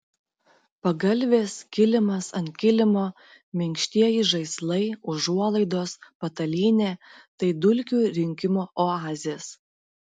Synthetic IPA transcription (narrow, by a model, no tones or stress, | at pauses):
pɐɡɐlʲʋʲeːskʲɪlʲɪmɐsɐnt̪ʲkʲɪlʲɪmoː | mʲɪŋʲkʲʃʲt̪ʲiɛjɪʒɐɪslˠɐɪʊʒuɔlˠɐɪd̪oːspɐt̪ɐlʲiːnʲeːt̪ɐɪd̪ʊlʲkʲuːɾʲɪŋʲkʲɪmoːʔoɑːzʲɪjeːs